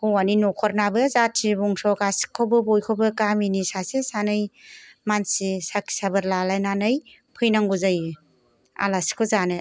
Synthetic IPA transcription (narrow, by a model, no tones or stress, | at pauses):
kɔwaninɔkʰɔɾnabɯzatʰːibɔŋsɔkasi̥kʰːɔbɯbɔjkʰɔbɯkaminisasesanɯjmansisakʰi̥sabɯɾlalajnanɯj | pʰɯjnaŋɡuzaj | a̰lasi̥kʰɔzanɯ